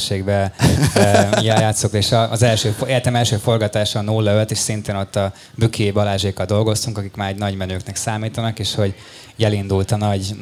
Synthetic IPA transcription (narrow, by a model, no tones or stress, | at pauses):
ʃeːɡbɛ | jɛjaːt̪sokt̪eːʃɒːzɛlʃøːfet̪ɛmɛlʃøːfo̞rɡɒt̪aːʃɒnulːɒølt̪eːʃsint̪eːno̞t̪ːɒ | bykʰibɒlaːʒeːkːɒld̪o̞lɡo̞st̪uŋkɒkikmaːɾɛɟnɒɟmɛnøːknɛksaːmiːt̪ɒnɒkeːʃho̞ɟ | jɛlind̪ult̪ɒnɒɟ